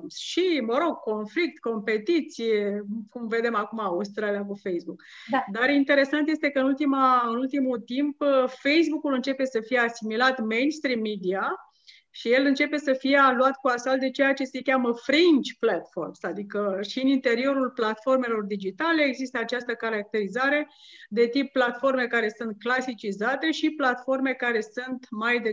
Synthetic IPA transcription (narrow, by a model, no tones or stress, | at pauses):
sʃiməɾo̞ɡ̚ko̞nflik̚t̪ko̞mpe̞t̪it̪sijekumve̞d̪e̞makumaust̪ɾalakufejsbuk | d̪arint̪e̞ɾe̞sant̪jest̪ekəɨnult̪imaɨnult̪imut̪impfe̞js̬bukulɨnt͡ʃe̞pe̞səfijeasimilat̪mejnst̪ɾimːid̪ia | ʃije̞lɨnt͡ʃe̞pe̞səfijealuat̪kuasald̪e̞t͡ʃe̞jat͡ʃe̞se̞kʲaməfɾint͡ʃplat̪fo̞̰rmsad̪ikəʃiɨnint̪e̞ɾio̞ɾulplat̪fo̞rme̞lo̞rd̪id͡ʒit̪ale̞ːɡzist̪əat͡ʃast̪əkaɾak̚t̪e̞ɾizaɾe̞ | d̪e̞t̪ipːlat̪fo̞rme̞kaɾe̞sunt̪̚klasit͡ʃizat̪e̞ʃiplat̪fo̞rme̞kaɾe̞sunt̪majd̪e